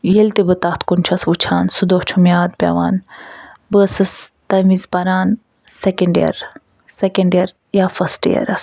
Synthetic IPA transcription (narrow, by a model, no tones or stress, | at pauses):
jelt̪ibɨt̪ɐht̪ʰkunt͡ʃʰɐsut͡ʃʰaːnsud̪oht͡ʃʰumijaːd̪̚pʲja̰ʋa̰ːn | bəsɨst̪ɐmizpɐɾaːn | sekɐɳɖjɐ̰ɾ | sekɐɳɖjɐɾ | jaːfɐsʈijɐ̰ɾɐ̰s